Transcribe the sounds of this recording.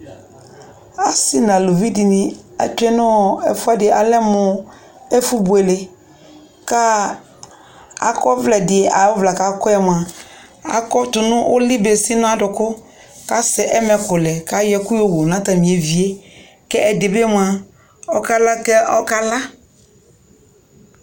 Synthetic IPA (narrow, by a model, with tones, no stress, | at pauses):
a˨sɪ˦nã˨lo˨vi˦dɪ˨nɪ̃˨a̰˨tʊ˦ɛ˦nʊ̃˦˨ɛ̰˨fʊ˦a˦dɪ˨a˨lɛ˦mʊ˨ | ɛ˦fu˦bu˨ɛ˨le˨ | ka˦ | a̰˨kɔ˦vlɛ˨dɪ˨a˨ɔ˦vla˨ka˨kʊ˦ɛ˦mʊ˨a˨ | a̰˨kɔ˦tʊ˨nʊ̃˦ʔʊ˦lɪ˦be˨sɪ˦nʊ̃˦a˨dʊ˨kʊ˦ | ka˦sɪ˨ʔɛ˦mɛ˨kʊ˨lɛ˨ka˨˦jɛ˦kʊ˦jo˦˨wo˨nã˨˦ta˨mĩ˨e˨vi˨e˦ | kɛ˦ʔɛ˨dɪ˨be˦mʊ˨a˨ | ɔ˦ka˦la˦kɛ˦ɔ˦ka˦la˦